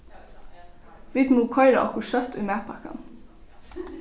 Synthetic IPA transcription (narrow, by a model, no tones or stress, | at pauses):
ʋɪt̪muːkʰɔʏɾɑ̰ʔɔ̰kʊʃœt̪ʰʉːmæːpʰɑkɑ̰n